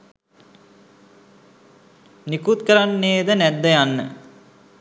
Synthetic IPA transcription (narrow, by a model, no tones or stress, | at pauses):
nikut̪kəɾanːeːd̪ənæd̪ːəjanːə